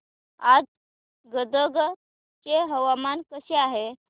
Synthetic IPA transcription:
ad͡z | ɡəd̪əɡ | keɦəʋamankəɕeaɦe

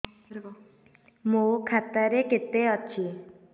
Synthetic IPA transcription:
mukʰat̪aɾeket̪eɔt͡ʃʰi

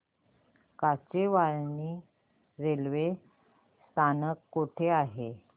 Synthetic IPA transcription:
kat͡ɕeʋaɭniː | ɾelʋe | st̪ʰanəkːoʈʰeaɦe

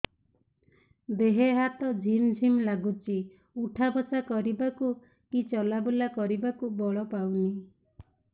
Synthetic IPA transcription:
d̪eɦeɦat̪ɔd͡ʒind͡ʒʱimlaɡut͡ʃi | uʈʰabɔsakɔɾibaku | kit͡ʃɔlabulakɔɾibakubɔɭɔpawni

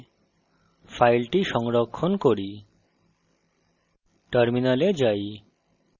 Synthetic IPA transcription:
fʰajlʈiʃɔŋɾokʰːonkoɾi | ʈaɾminaled͡ʑaj

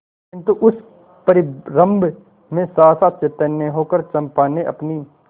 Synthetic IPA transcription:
kɪ̃nt̪uʔʊs | pəɾɪɾə̃mb | mẽsaːsat̪t͡ʃet̪ənːeɦoːkəɾt͡ʃɐ̃mpaːneʔɐ̰pni

